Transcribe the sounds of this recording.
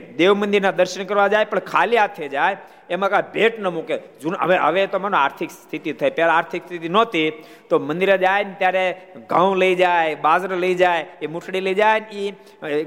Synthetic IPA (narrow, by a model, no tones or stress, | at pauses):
d̪eʋmə̃nd̪ɪɾnad̪əɾʃəɳkəɾʋad͡ʒajpəɳkʰaljat̪ʰed͡ʒajː | mãkabʱeʈnəmuked͡ʒũnə̰ʋeɦə̰ʋet̪omanõaɾt̪ʰikst̪ʰit̪it̪ʰəjpjalaaɾt̪ʰikst̪ʰit̪inot̪i | t̪omə̃nd̪iɾed͡ʒajnt̪jaɾeɡãwləid͡ʒajbazɾələid͡ʒajemuʈʰɽiləid͡ʒajni